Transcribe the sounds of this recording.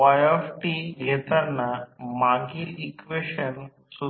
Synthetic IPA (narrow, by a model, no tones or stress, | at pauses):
ʋajɔfʈiɡʱet̪anːamãɡilikʋeʃən | su